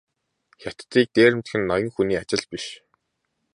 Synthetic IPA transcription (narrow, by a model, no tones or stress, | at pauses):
xʲat̪̆t̪iːk̚t̪eːɾɘ̆m̥t̪xɘ̆nːɔjɞ̆ŋxuniːat͡ɕɪ̆ɮpiʃ